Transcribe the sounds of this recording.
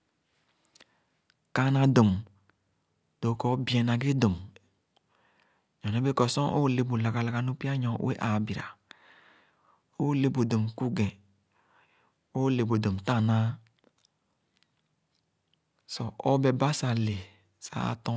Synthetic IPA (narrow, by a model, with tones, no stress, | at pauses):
ka˦na˨do˨m | d̥o˨kɔ˦bi˨˦ɛ˨na˨ɡe˦do˨m | ɲɔ˨ne˦be˦kɔ˨sɔ̃˦ʔo˦le˨bu˨la˨ɡa˨la˨ɡa˨nu˦pi˦a˦ɲɔ̰˨˦wḛ˦ʔa˨bi˨ɾa̰˨ | o˦le˨bo˨do˨mku˦ɡɛ̃˨ | o˦le˨bo˨do˨mta˦˨na˦ | sɔ˨ʔo˦be˨ba˦sa˨le˨ | sa̰˦tɔ̃˦